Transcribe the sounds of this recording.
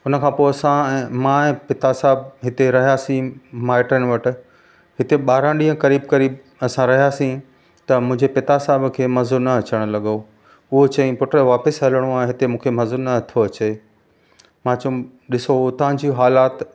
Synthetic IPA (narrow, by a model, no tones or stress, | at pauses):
ʊnə̆kʰãːpoːɐsãɛ̃ːmãːɛ̃ːpɪt̪asaːɪbɦɪt̪eɾɐɦijasĩmaːɪʈən̆ʋɐʈɪ̆ | ɦɪt̪eɓaːɾãɗĩɦə̃kɐɾiːbkɐɾiːb̚ | ɐsãɾɐɦijasĩ | t̪ɐmʊ̃ɦɪ̃ɲd͡ʑepɪt̪asaːɪbkʰeːmɐzonɐɐt͡ɕəɽ̃lɐɠo | ʊɦot͡ɕɐ̃ĩpʊʈɾeʋaːpɪsɦɐləɽ̃ũaːɦẽɦɪt̪emũːkʰemɐzonɐɐt̪ʰoɐt͡ɕe | mãːt͡ɕɐũ | ɗɪsot̪ɐʋ̤ãd͡ʑiːɦaːlaːt̪